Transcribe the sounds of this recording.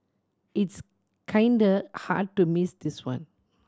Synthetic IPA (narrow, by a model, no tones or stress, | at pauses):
its | kʰãɪndəha̰d̚tumisd̪iswã̰n